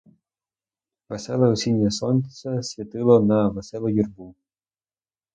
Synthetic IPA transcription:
ʋɛsɛlˠɐɔsʲinʲjɐsɔnʲt͡sʲɐsʲʋʲɐt̪ɪlˠɔnɐʋɛsɛlˠɔjirbu

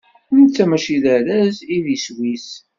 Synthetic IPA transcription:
mt͡sːæmæʃilæɾæziðiswis

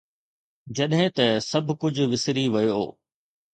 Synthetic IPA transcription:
d͡ʑɐɗɦɪ̃t̪ɐsɐbʱʊkʊd͡ʑʱʊʋɪsɾiʋɐjoo̰ː

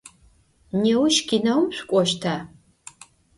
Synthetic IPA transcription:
newʊʃɡʲinɐwmɕʷkʷʼɔʃtʰaː

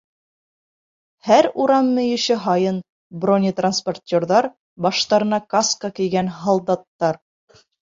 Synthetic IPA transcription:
hæɾuɾɑmːɘ̆jɘ̆ɕɘɦɑjɤn | bronʲit̪ransportʲːorðɑɾ | bɑʃt̪ɑɾɤ̆nɑkaskakɘ̆jɡænɦɑlˠd̪ɑt̪ːɑɾ

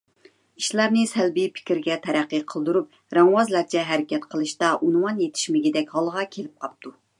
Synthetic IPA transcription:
i̥ʃlæɾnɪsælbipʰɪ̥kʲiɾɡʲɛt̪ʰɛɾæqːəqʰəlˠd̪uɾup̚ | ɾɛŋwɑzlæɾt͡ʃʰɛɦæɾɪkʲʰɛt̪qʰəlˠɨʃt̪ɑʔunwɑnjet̪ʰɪ̥ʃmɪɡʲid̪ɛkʲhɑlˠʁɑkʲʰelɪp̚qʰɑp̚t̪ʰu

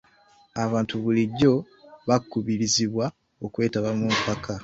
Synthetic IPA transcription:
aβaːntuβuliɟːo̞ | βakːuβiɾiziβwa | okwe̞ːtaβamumpakʰa

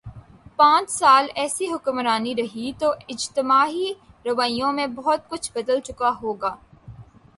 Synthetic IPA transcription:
pãːt͡ʃsaːlɛːsiɦʊkmɾaːniɾɐɦit̪oɪd͡ʒt̪ɪmaːɦi | ɾɐʋaːijõmẽbɔɦt̪̚kʊt͡ʃʰbɐd̪əlt͡ʃʊkaɦoːɡaː

